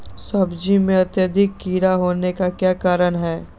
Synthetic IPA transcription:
sɐbd͡ʒimẽɐt̪jəd̪ʱɪkːiːɾaɦoːnekakjaːkaːɾəɽɦɛː

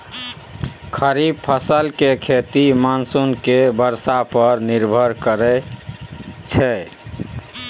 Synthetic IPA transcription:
kʰəɾib̚pʰəsəlkekʰet̪imansunkebəɾsapəɾniɾbʱəɾkəɾɛ | t͡ʃʰɛ

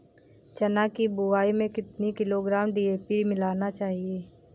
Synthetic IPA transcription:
t͡ʃɐnaːkibuʋaːimẽkɪt̪nikɪloɡɾaːmɖiːeːpimɪlaːnat͡ʃaːɦieː

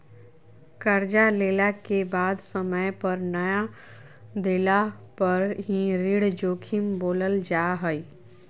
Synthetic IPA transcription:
kəɾd͡ʒaleːlakebaːd̪səməjpəɾnəja | d̪eːlapəɾɦiɾiɽd͡ʒoːkʰimboːləld͡ʒaːɦəi

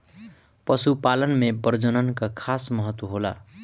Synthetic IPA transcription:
pʌsupalʌnmebʌrd͡zʌnʌnkakʰasmʌɦʌt̪wʌɦola̰

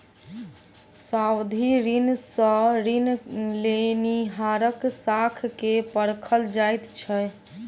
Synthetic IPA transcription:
sawd̪ʱiɾinsəɾinleniɦaɾəksakʰkepəɽkʰəld͡ʒajt̪t͡ʃʰə

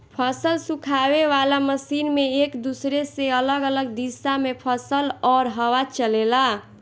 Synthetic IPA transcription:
pʰəsəlsũkʰabeʋalaməsinmeekd̪usɾeseələɡələɡd̪isamepʰəsəlɔɾɦəwat͡ʃəlela

